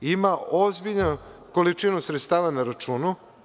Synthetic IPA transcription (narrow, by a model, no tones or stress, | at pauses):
imaozbiʎnuko̞lit͡ʃinusɾet̪st̪aːʋanaɾat͡ʃuːnu